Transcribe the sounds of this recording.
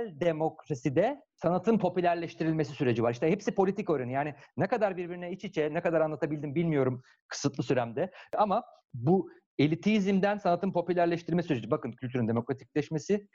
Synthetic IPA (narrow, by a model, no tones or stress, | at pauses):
lʲd̪emo̞kɾasid̪ɛsanat̪ʰɯnpʰo̞pylʲæɾlʲɛʃt̪ʰiɾilʲme̞si̥syɾe̞d͡ʒivaɾiʃt̪ɛhɛpsipʰo̞lʲit̪ʰiko̞ɾanɯjaːninɛkad̪aɾbiɾbiɾinɛit͡ʃit͡ʃʰɛnɛkad̪aɾanlˠat̪ʰabilʲd̪imbilʲmijo̞ɾum | kʰɯ̥sɯt̪lˠɯsyɾæmd̪ɛama | bu | elʲit̪ʰiːzimd̪ænsanat̪ɯnpʰo̞pylʲæɾlʲɛʃt̪iɾilʲmɛsyɾed͡ʒibakɯnkʰylʲt̪ʰyɾynd̪emo̞kɾat̪i̥c̚lʲɛʃmesɪ